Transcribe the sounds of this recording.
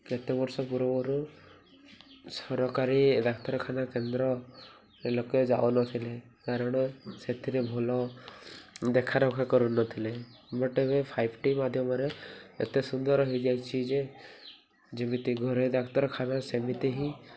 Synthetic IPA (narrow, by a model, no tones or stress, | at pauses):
ket̪ebɔɾsɔpuɾɔbɔɾu | sɔɾɔkaɾid̪akʰt̪ɔɾɔkʰanakend̪ɾɔ | eloked͡ʒa̰onɔt̪ʰilekaɾɔɽ̃ɔset̪ʰiɾebʱɔlɔ | d̪ekʰaɾɔkʰakɔɾunɔt̪ʰilebɔʈeβepʰajbʱʈimad̪ʱjɔmɔɾeḛt̪esund̪ɔɾɔɦijd͡ʒajt͡ʃʰid͡ʒe | d͡ʒimit̪iɡʱɔɾed̪akʰt̪ɔɾɔkʰanasemit̪iɦi